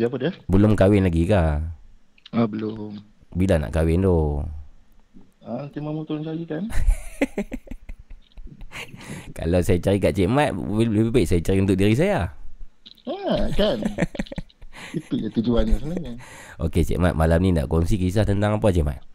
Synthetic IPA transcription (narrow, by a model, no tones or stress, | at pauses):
siap̬adəbəlʊmkawɪnlaɡika | abəlʊm | bilana̰ʔkawɪnd̪o | at̪imamut̪ulnkalikan | ka̰lasajat͡ʃaɾikaʔt͡ʃɛʔmat̪̚ibaiʔsajat͡ʃaɾiunt̪ʊk̚diɾis̬aja | akan | itujat̪ud͡ʒuanasənaɲaoket͡ʃɛ̰ʔma̰ʔ̪̚malamninda̰ʔkɔnsikis̬aht̪ənt̪aŋapat͡ʃɛʔma̰ʔ̪̚